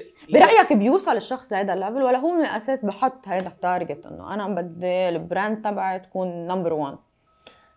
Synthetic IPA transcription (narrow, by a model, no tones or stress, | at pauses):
bɪɾˤɑʔjakbjuːsˤɑlɪʃːɑxsˤlɪhajd̪alːavɪlwalːaɦuːmɪnɪlʔaseːsbɪħʊt̪ˤːhajd̪aħt̪ːɑːɾˤɪɡɪt̪ʔɪ̰nːo̰ʔanabad̪ːilɪbɾand̪̚t̪ˤːɑbʕat̪ḁkuːnːambəɾwan